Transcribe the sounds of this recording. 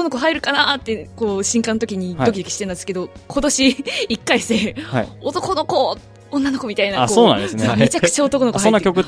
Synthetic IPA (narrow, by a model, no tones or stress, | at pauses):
onokoɦaiɾɯ̟kanat̪ːe̞ko̞ːɕĩŋkãnot̪o̞kʲiɲ̟id̪o̞kʲid̪oki̥ɕit̪eɯneske̞d̪o̞kʰo̞t̪o̞ɕiːkːaiseao̞t̪o̞ko̞no̞ko̞ | onːanoko̞mʲit̪ainaakosoːnã̰ndesnomet͡ɕakɯ̟̥t͡ɕaot̪okono̞kosaõnːakʲo̞kɯ